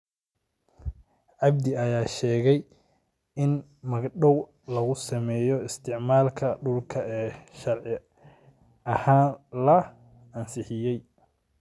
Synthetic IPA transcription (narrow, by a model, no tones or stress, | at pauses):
ʕɑb̚d̪ɪɐjaːʃɛːɣɛj | ɪnmɐɡɗɔw | lɐɣʊsɐmɛːjɔɪst̪ʰɪʕmaːlkʰɐɖʊlkʰɐɛːʃɐrʕɪ | ɐhaːnlɐ | ɐnsɪħɪjɛj